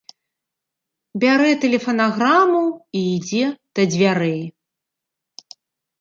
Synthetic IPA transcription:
bʲaɾɛt̪ɛlʲɛfɐnaɣɾamuiːd͡zʲɛd̪̥ɐd͡zʲvʲaɾɛj

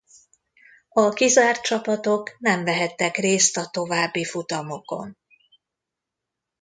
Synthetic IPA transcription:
ɒkizaːrt̪t͡ʃɒpɒt̪o̞knɛɱvɛɦɛt̪ːɛkreːst̪ɒt̪o̞vaːbːifut̪ɒmo̞ko̞̰n

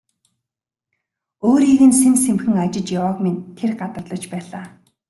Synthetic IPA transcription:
oːɾiːɣɘ̆nsensemxɘ̆ŋat͡ɕɪ̆t͡ɕjawaːkment̪ʰːerɢat̪ə̆rɮə̆t͡ɕpæːɮaː

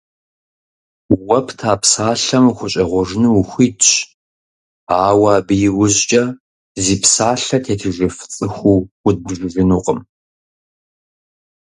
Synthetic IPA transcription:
wɐpʰtʰaːpsaːɬɐmxʷʊɕʼɐʁʷɔʐnɨwxʷiːdt͡ʃ | aːwaːbɨjɪwʊʑt͡ʃʼɐ | ziːpʰsaːɬɐtʰeːtʰɨʒɪft͡sʼɨxʷuːwʊd̚bʒɪʒɪnuːqʼəm

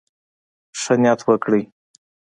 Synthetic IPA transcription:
ʂənjɑt̪ʰwəkɽi

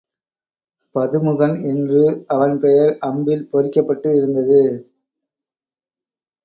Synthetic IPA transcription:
pɐðɯmɯɣɐnɪndrɯɐʋɐnpɛjɐɾʔɐmbɪlpɔɾɪkːɐpːɐʈːɯɪɾɯnd̪ɐðɯ

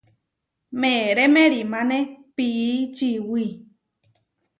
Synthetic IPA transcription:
mẽɾemẽɾimãnẽpiːt͡ʃiwi

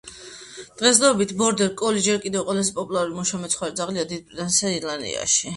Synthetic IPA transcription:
d̪̥ʁɛs̬d̪ɔbit̪ʰbɔɾd̪ɛɾkʼɔlid͡ʒɛɾkʼid̪ɛvqʼwɔlas̬ɛpʼɔpʼulˠaɾuɾimɔʃamɛt̪sʰχwaɾid̪zaʁliad̪id̪̚pʼɾɛt̪ʼansaiɾland̪ḭa̰ʃi

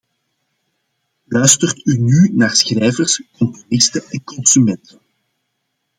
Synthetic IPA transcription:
lœɥstərtynynaːrsxrɛjvərskɔmpɔlɪstəɛnkɔnsymɛntən

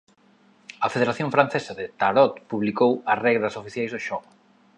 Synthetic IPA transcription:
ɐfeð̞eɾaθjõɱfɾanθesɐðɪt̪aɾɔt̪puβlikowɐsrɛɣɾɐsofiθjajzðoʃɔɣ

